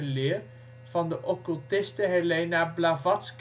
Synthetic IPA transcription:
lɪːr | v̥ɑndəʔɔkylˠtɪstəɦelejnablavɑtsk

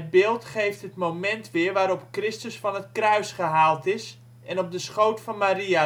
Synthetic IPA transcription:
ət̚bɪːlˠtχejftɦətmowmɛntʋɪəɹʋaːɾɔpkrɪstəsfɑnətkrœɥsχəɦaːlˠtɪs | ɛnɔp̚dəsχowtfɑnmaɾia

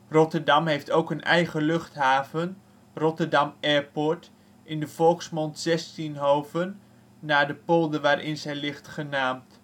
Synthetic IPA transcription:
rɔtəɹdɑmɦejftowkənʔɛ̰jχəlɵχtɦaːvən | rɔtəɹdɑmɛɹpɔɹt | ʔɪndəv̥ɔlˠksmɔntz̥ɛstinɦoːvənː | aːɹdəpolˠdəʋaːɾʔɪnzɛjlɪχtχənaːmt

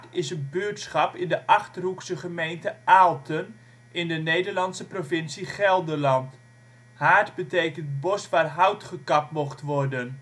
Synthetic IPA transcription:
ɪsənbøːtsχɑpɪndəʔɑχtəruksəχəmejntəʔaːlˠtʰən | ɪndənejdəɹlɑnsəprovɪnsiχɛlˠdərlɑnt | haːɹdbətejkəntbɔsʋaːrɦʌwtχəkɑp̚tmɔχtʋɔrdən

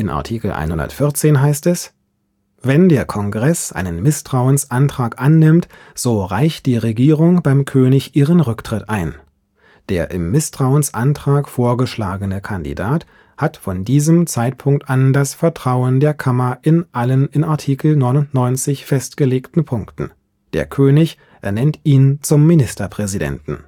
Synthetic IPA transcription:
ʔɪnʔa̰ɐtʰiːkl̩ʔa̰ɪnhʊndɐ̰tfɪɐt͡seːnɦaɪstɛs | vɛndeːɐkʰɔnɡʁɛsʔa̰ɪnənmɪstʁ̥aʊənsʔantʁ̥aːkʔanːɪmt | z̥oːʁa̰ɪçt̚d̥iːʁeɡiːʁʊŋb̥aɪmkʰøːnɪçʔiːʁənʁʏktʁ̥ɪtʔaɪn | d̥eːɐʔɪ̰mːɪstʁ̥aʊənsʔantʁ̥aːkfoːɐɡəʃlaːɡənəkʰandḭdaːt | hatfɔndiːzəmt͡saɪt̚pʰʊŋk̚tʔandasfɛɐtʁ̥aʊəndeːɐkʰamɐʔɪnʔalənɪnaɐtʰiːkl̩nɔʏnʊntnɔʏnt͡sɪçfɛstɡ̥əleːktn̩pʰʊŋktn̩ | d̥ḛːɐkʰøːnɪç | ʔeːɐnɛntʔiːnt͡sʊmːinɪstɐpʁ̥ɛzidɛ̰ntn̩

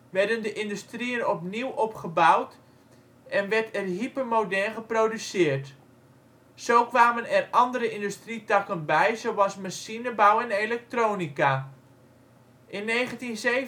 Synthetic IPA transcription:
ʋɛɹdəndəʔɪndystrijənɔpniwʔɔpχəbawt | ɛnʋɛɹtɛrɦipəmodɛlχəproːdysɪːrt | z̥owkʋaːmənɛrɑndəɾəʔɪndystritɑkənbɛjzowɑlˠsmasinəbawɛnelɛk̚troːnika | ʔɪnːejχəntinze

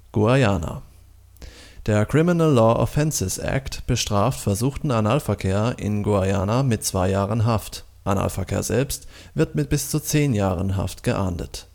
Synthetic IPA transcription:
ɡ̥uajaːna̰ | d̥eːɐkʁ̥ɪmɪnəlːɔːʔɔ̰fɛnsɪsʔɛ̰ktb̥əʃtʁ̥aːftfɛɐzuːxtn̩anaːlfɛɐkʰeːɐʔɪ̰nɡuajaːnamɪt̚t͡sv̥aɪjaːʁənɦaftʔana̰ːlfɛɐkʰḛːɐzɛ̰lpst | v̥ɪɐtmɪt̚b̥ɪst͡sut͡seːnjaːʁənɦa̰ftɡ̥əʔa̰ɐndə̰t

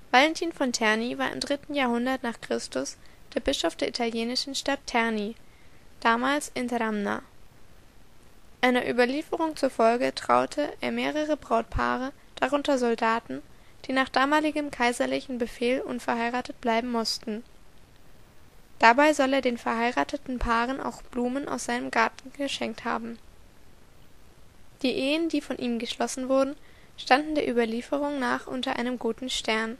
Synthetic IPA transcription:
v̥alɛntʰiːnfɔntʰɛɐnivaːɐʔɪ̰mdʁɪtn̩jaːɐɦhʊndɐtnaːχkʁ̥ɪstʊsd̥eːɐbɪʃɔfd̥eːɐʔitʰaljeːnɪʃn̩ʃtatʰːɛɐnid̥aːmaːlsʔɪntəɾamna̰ | ʔaɪnɐʔy̰ːbɐliːfəʁʊŋt͡suɐfɔlɡətʁ̥a̰ʊtʰəʔeːɐmeːʁ̞əʁ̞əbʁaʊt̚pʰa̰ːʁə | d̥aʁ̞ʊntɐzɔldaːtn̩d̥iːnaːχd̥aːmaːlɪɡəmkʰaɪzɐlɪçn̩bəfeːlʔʊnfɛɐɦaɪʁaːtət̚b̥laɪbm̩mʊstn̩ | d̥abaɪzɔleːɐdeːnfɛɐɦaɪʁaːtətn̩pʰaːʁənʔa̰ʊxb̥luːmənʔa̰ʊsz̥aɪnəmɡaɐtn̩ɡ̥əʃɛŋk̚tha̰ːbm̩ | d̥iːʔeːəndiːfɔnʔiːmɡəʃlɔsn̩vʊɐdn̩ | ʃtandn̩deːɐʔyːbɐliːfəʁ̞ʊŋnaːχʔʊ̰ntɐʔa̰ɪnəmɡuːtn̩ʃtɛɐn

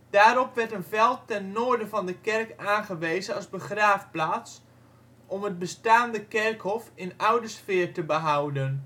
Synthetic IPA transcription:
d̥aːɾɔpʋɛrtənvɛlˠtːɛnːoːɹdəvɔndəkɛrkaːnχəʋeːzənɑzbəχraːfplaːs | ʔɔmət̚bəstaːndəkɛrkhɔfɪnawdəsfɪːrtəbəɦawdən

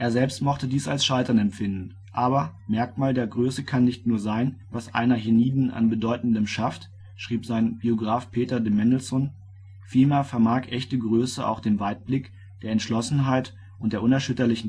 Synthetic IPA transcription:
ʔeːɐzɛlpstmɔχtədiːsa̰lsʃaɪtɐnɛmfɪndn̩ | ʔaːβɐmɛɐkmaːldeːɐɡʁøːsəkʰanːɪçtnuːɐzaɪnvasʔa̰ɪnɐɦiniːdn̩ʔa̰nbədɔʏtn̩dəmʃaft | ʃʁ̥iːpz̥aɪnb̥ioɡʁaːfpʰeːtɐdəmɛnl̩sɔn | fiːlmeːɐfɛɐmaːkʔɛçtəɡʁøːsəʔa̰ʊxd̥eːnvaɪt̚b̥lɪk | d̥eːɐɛntʃlɔsn̩ɦaɪt | ʔʊntd̥eːɐʔʊnɛɐʃʏtɐlɪçn̩

